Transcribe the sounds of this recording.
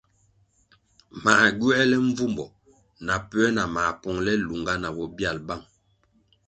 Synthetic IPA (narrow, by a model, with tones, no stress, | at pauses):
ma˨ɟu˦ɛ˦lɛ˦ɱ˦vu˦mbɔ˨ | na˨pɛ˦na˨ma˨pɔ˨ŋlɛ˦lu˨ŋɡa˦na˨bɔ˨bja˦˨lba˦˨ŋ